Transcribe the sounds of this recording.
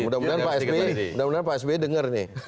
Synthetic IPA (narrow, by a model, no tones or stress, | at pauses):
mudamudanpaɛsbemudahmudanpaɛs̬bedəŋərnɪ